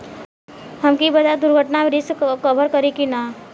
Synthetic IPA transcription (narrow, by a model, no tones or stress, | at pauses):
ɦəmkibɐd͡ʒad̪ʊɾɡʱəʈnamɾɪskəbʱəɾkəɾikinaː